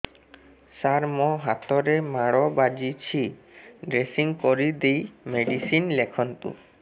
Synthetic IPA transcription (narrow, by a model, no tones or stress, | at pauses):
saɾmɔɦat̪ɔɾemaɽɔbad͡ʒit͡ɕʰiɖɾesiŋkɔɾid̪ejmeɖisinlekʰɔnt̪ṵ